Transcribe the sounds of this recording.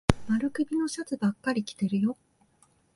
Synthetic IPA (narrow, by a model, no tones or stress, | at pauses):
maɾɯ̟kɯ̟bʲino̞ɕat͡sɨbakːaɾʲikʲi̥t̪e̞ɾɯ̟jo̞